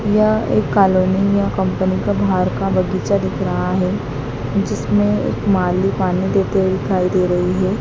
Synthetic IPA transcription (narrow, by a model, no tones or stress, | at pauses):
jɐḛːkːaːloːnijakɐ̃mpənikabʱaːɾkabɐɡiːt͡ʃad̪ɪkʰɾɐɦaɦɛ | d͡ʒɪsmẽḛːkmaːlipaːnid̪eːt̪ewed̪ɪkʰaːid̪eːɾɐɦiɦɛː